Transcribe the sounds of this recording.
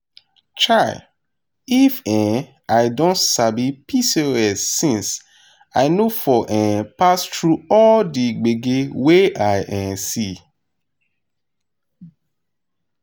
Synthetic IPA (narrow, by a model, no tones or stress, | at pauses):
t͡ʃaɪ | ifɛ̃ | aɪdõntsabipʰiseɹɛsːĩns | aɪnofɔʔɛ̃pastɹuɔldiɡ͡beɡeweʔaɪʔɛ̃si